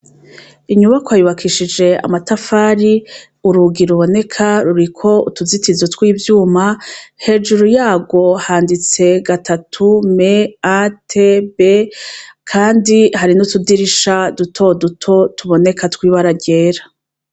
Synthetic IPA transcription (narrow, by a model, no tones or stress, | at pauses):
iɲuβakoajuβakʰiʃid͡ʒe̞a̰matafaːɾi | uɾuɡiɾuβo̞ne̞kʰaɾuɾikʰo̞ṵtuzitizotwiːvjuːmahe̞ːd͡ʒuɾujaːɡo̞haːndit͡se̞ɡatʰatʰume̞atʰebe̞kʰaːndihaɾinutudiɾiʃadutʰo̞dutʰo̞tuβo̞ne̞katwiːβaɾaɟe̞ːɾa